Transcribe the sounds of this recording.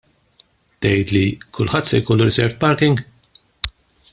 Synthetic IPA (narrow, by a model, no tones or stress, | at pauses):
t̪ɛjt̪likʰʊlħɐt̪ːsɛjkɔlːuɾɪsɛɾvpɐɾkɪŋɡ